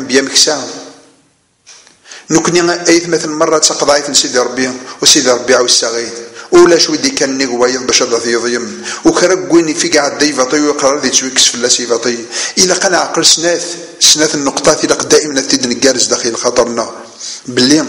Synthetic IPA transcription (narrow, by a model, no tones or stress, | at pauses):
bjæməçsæ | nəkʷːniæjəθmæθənmɑrˤːɑt͡sːɑqd̪ˤɑʕiθənsid̪iɾˤbiwsid̪iɾˤbiʕawisːæɣid̪uwlæʃwid̪ikænnːiɣwæjəðˤbæʃæd̪ˤɑθjəðˤjəmwxɾˤæɡʷːinifiɡʕəd̪ːæjvɑt̪ˤəjwiqɾˤɑɾˤɑðit͡sːwikːə̥sfəlːæsivɑt̪ˤəjəlæqænʕqːəlsnæθ | snæθənːəqt̪ˤɑθiləqd̪æʔimənæθid̪nəɡːæɾəzd̪æxiəlxɑt̪ˤəɾˤnə | bəlːi